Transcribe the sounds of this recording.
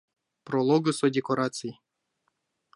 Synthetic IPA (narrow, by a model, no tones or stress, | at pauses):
prolˠoɡəsodʲekoɾat̪sɨj